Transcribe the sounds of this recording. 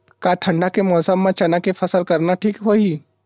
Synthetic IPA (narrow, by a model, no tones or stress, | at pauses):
kaʈʰə̃ɳɖakemɔːsəmːãt͡ʃɐnakepʰəsəlkəɾnaʈʰiːkɦoi